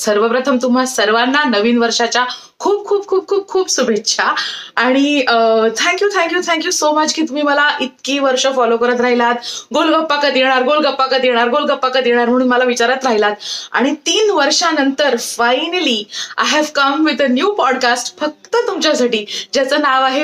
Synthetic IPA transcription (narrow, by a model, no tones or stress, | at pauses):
səɾʋəpɾət̪ʰəmt̪um̤asəɾʋanːanəʋiːnʋəɾʂat͡ɕja | kʰuːbkʰuːb̚kʰuːb̚kʰuːb̚kʰuːbsubʱetːɕʰaaɽ̃iət̪ʰɛ̃ŋkjuːt̪ʰɛ̃ŋkjuːt̪ʰɛ̃ŋkjuːsomət͡ɕkʰiːt̪um̤iːməlaʔit̪̚kiːʋəɾʂəfɔlokəɾət̪ɾaɦilat̪ɡolɡəpːakat̪jeɽ̃aɾɡolɡəpːakat̪jeɽ̃aɾɡolɡəpːakat̪jeɽ̃aɾm̤əɽ̃uːnməlaʋit͡ɕaɾat̪ɾaɦilat̪a̰ɽ̃it̪iːnʋəɾʂanənt̪əɾfajnəlia̰jɦɛʋkəmʋid̪ənjuːpɔɽkasʈfək̚t̪ət̪umt͡ɕjasaʈiːd͡ʑjat͡səːnaʋaɦe